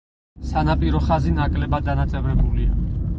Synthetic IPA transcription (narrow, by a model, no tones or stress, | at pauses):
sanapʼiɾɔχazinakʼlɛbad̪anat̪sʼɛvɾɛbulia